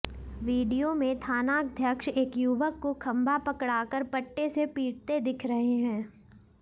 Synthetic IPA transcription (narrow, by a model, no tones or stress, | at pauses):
ʋiːɖijomẽt̪ʰaːnaːk̚d̪ʱjɐkʃeːkjuʋəkːokʰɐ̃mbʱapɐkɽaːkəɾpɐʈːesepiːʈ̚t̪ed̪ɪkʰɾɐɦeɦɛ̃ː